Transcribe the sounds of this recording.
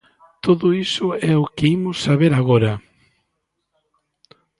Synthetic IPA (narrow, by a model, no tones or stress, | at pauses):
t̪oðʊisʊɛʊkɪimʊsːaβeɾaɣoɾɐ